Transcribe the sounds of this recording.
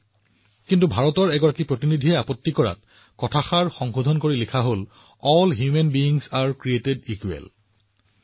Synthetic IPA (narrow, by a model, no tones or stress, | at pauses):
kintubʱaɹɔtɔɹɛɡɔɹakipɹotinidʱiɛapɔtːikɔɹa̰t | kɔtʰaxaɹxɔŋxodʱɔnkoɹilikʰaɦol | ɔlɦjumenbiiŋsaɹkɹietedikuɛ̰l